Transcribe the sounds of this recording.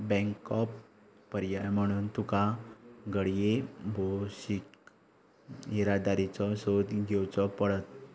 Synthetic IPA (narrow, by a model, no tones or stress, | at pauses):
bɛ̃ŋkɔpː | əɾjajm̤əɽ̃uːnt̪ukaɡəɽjebʱoɕik | iɾad̪aɾit͡sɔsod̪ɡʱewt͡sɔpəɽət̪̚